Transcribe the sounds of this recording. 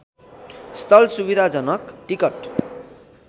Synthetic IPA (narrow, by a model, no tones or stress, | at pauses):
st̪ʌlsubid̪ʱad͡zʌnʌkʈikʌʈ